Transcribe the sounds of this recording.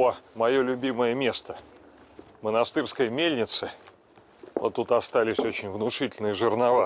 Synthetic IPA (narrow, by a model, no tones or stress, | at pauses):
omɐjolʲʊbʲiməjəmʲe̞st̪ə | mənɐst̪ɨrskəjəmʲelʲnʲɪt̪sɨ | ot̪ːut̪ɐst̪alʲɪsʲo̞t͡ɕɪnʲvnʊʂɨtʲɪlʲnɨjəʐɨrnɐva